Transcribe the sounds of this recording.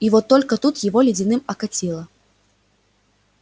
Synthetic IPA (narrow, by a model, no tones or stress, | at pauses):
ivɔt̪ːɔlʲkɐt̪ut̪jivɔlʲid͡zʲinɨmɐkat͡sʲilˠɐ